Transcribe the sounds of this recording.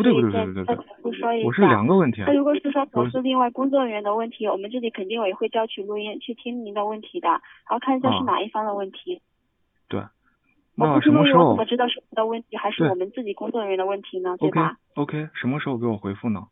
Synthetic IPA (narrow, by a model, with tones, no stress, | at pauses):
t̪we˥˧˥wa̰˥˩˥u˥˩ʂwɔ˥wɔ˨˩ʂɻ̩˥˩ljɑ̰˨˩ŋɡə˧wə˥˩nt̪ʰi˧˥˩ɻu˧˥kwɔ˧˩ʂɻ̩˥˩˧ʂwɔ˥pʂ̩˥˧li˥˧ŋwa˥˩ɪkʊ˥ŋt͡swɔ˥˧ə˥nɥɛ˧˥nd̪ə˧wə˥˩nt̪ʰi˧˥wɔ˨˩mə˦nt͡sɹ̩˥˩t͡ɕi˧˥kʰə˨˩nt̪i˥˧ŋwe˧˩ɪxwjɑ˥˧ʊt͡ɕʰy˥˩lu˥˧i˥nt͡ɕʰy˥˩t̪ʰi˥ŋni˧˥d̪ə˧wə˥˩nt̪ʰi˧˥d̪ə˧ɻa˧˥xʊkʰa˥˧˥ɕjʂɻ̩˥˩na̰˨˩i˥˩fɑ˥ŋd̪ə˨wə˥˩nt̪ʰi˧˥ | t̪we˥˩ɪ | wnɔ˨˩˥ʂ̩˥˧˥u˥ʂwɔ˨˩ʈ͡ʂɻ̩˥t̪ɑ˥˧ʂɻ̩˥˩wɔ˨˧˦nd̪ə˧wə˥˩nt̪ʰi˧˥xa˧˥ɪʂɻ̩˥e˥˩wɔ˨˩mə˦nt͡sɹ̩˥˩t͡ɕi˨˩kʊ˥ŋt͡swɔ˥˧ə˧˩ɥɛ˧˥nd̪ə˧wə˥˩nt̪ʰi˧˥nə˧to˥˧˩kʰe˥˩ | o˥ʊkʰe˥ɪʂə˧˥nmə˧ʂɻ̩˧˥xo˥˧ʊk̬wɔ˨˩xwe˧˥ɪfu˥˩nə˩